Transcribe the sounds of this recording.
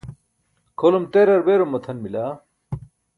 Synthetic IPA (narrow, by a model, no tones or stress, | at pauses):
kʰolumt̪eːɾɐɾbeːɾomːɐt̪ʰɐnmilaː